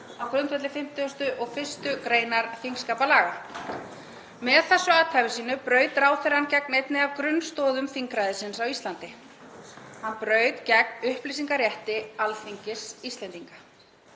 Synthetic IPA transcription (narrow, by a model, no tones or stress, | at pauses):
awkɾʏnt̪fɛt̪lɪfɪm̥t̪ɪʏst̪ʏʔɔɣfɪ̥st̪ʏkɾeːjnaɾθiŋskaːpalaːɣa | mɛðθɛsːʏaːt̪ʰajvɪsiːnʏpɾœːɥt̪ɾaːwθɛɾancɛknejt̪nɪavkɾʏnːst̪ɔːðʏmθiŋkɾajðɪsɪnsawist̪lant̪ɪ | hanːpɾœːɥt̪cɛk̚nʏhplis̬iŋkaɾjɛht̪ɪalθiɲcɪsist̪lɛnt̪iŋka